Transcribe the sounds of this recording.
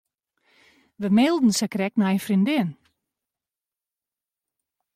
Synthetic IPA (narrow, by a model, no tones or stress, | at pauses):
ʋəmelˠdn̩sakrɛknajnfrindɪn